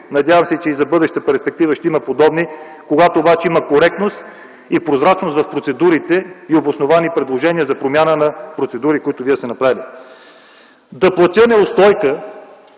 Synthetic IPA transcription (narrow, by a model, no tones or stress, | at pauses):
nɐd̪ʲjavəmsɛt͡ʃɛizɐbɤd̪ɛʃt̪əpɛɾspɛkt̪ivəʃt̪ɛiməpod̪ɔbni | koɡat̪oːbat͡ʃɛiməkoɾɛk̚t̪nost̪ | ipɾozɾat͡ʃnost̪vɐfpɾot̪sɛd̪uɾit̪ɛiobosnovanipɾɛd̪lˠoʒɛniəzɐpɾomʲjanənɐpɾot̪sɛd̪uɾikoit̪ʊviɛst̪ɛnɐpɾavili | d̪ɐplˠɐt̪ʲənɛʊst̪ɔjkə